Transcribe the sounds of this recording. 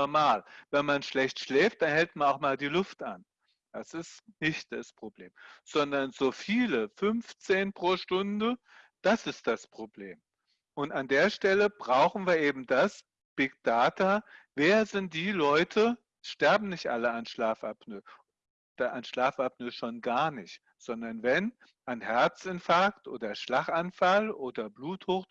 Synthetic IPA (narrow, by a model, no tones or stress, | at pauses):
nɔɐmaːlvɛnmanʃlɛçtʃlɛːft̚d̥anhɛltmanaʊxmaːldiːlʊftʔa̰n | d̥asɪstnɪçt̚d̥a̰spʁ̥obleːmz̥ɔndɐnzoːfiːləfʏnft͡seːnpʁ̥oːʃtʊndə | d̥asɪst̚d̥aspʁ̥obleːm | ʔʊntandeːɐʃtɛləb̥ʁaʊxn̩viːɐʔeːbm̩das | b̥ɪɡ̚d̥aːtaveːɐzɪnt̚d̥iːlɔʏtʰə | ʃtɛɐbm̩nɪçtʔa̰ləanʃlaːfʔapnø | d̥aʔanʃlaːfap̚nəʃoːnɡaːɐnɪçt | z̥ɔndɐnvɛn | ʔanhɛɐt͡sɪntfaːktʔoːdɐʃlaχʔanfalʔoːdɐbluːthoːχ